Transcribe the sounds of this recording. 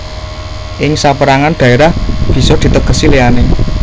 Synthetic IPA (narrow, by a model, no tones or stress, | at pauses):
ʔɪŋsapəɾaŋand̪̥ä̤eɾahb̥i̤sɔd̪̥i̤t̪əɡ̥ə̤sileane